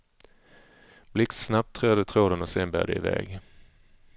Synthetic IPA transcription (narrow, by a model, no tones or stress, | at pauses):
b̥lɪkssnap̚t̪ʰːɾœːd̪ət̪ʰɾoːd̪ənɔseːnbæ̰ːɖ̪ə̰ɪ̰vɛ̰ːɡ